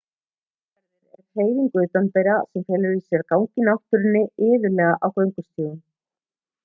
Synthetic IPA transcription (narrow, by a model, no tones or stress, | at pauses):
aɾðɪɾɛ̰ɾr̥eːjðiŋkʏʏt̪anp̪ɛjɾasɛmfjɛːlʏɾisjɛɾkawŋcɪnawt̪ʏɾɪnːɪɪːðʏlɛːɣaʔawkœɥŋkʏst̪iːðɪn